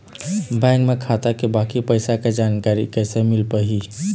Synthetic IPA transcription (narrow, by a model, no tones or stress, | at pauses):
bɛ̃ŋkmekʰat̪akebakipəjsaked͡ʒankaɾḭkəjsemilpəɦi